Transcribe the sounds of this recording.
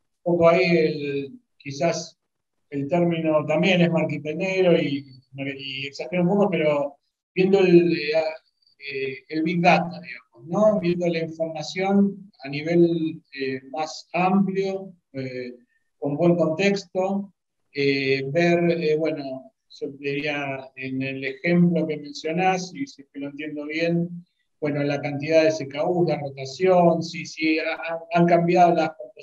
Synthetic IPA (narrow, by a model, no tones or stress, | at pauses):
pokoaiel | kisas | elt̪eɾmino̞t̪ambje̞nezmaɾkit̪eneɾoi | maieksaxenũmpokopeɾo̞ | bje̞nd̪oela | eelβik̚ðat̪oðiɣamosno̞βje̞nd̪olaiɱfo̞ɾmasjo̞naniβ̞e̞lemasampljo | e | ko̞mbwe̞ŋko̞nt̪e̞kst̪o̞ | eβeɾeβweno̞ | ʒ̥od̪iɾiaenelexe̞mplo̞keme̞nsjo̞nasisekeloent̪je̞nd̪o̞β̞je̞n | bwe̞nolakant̪ið̞aðesekauhðero̞t̪asjonsisiaaaŋkambjaðolaskot̪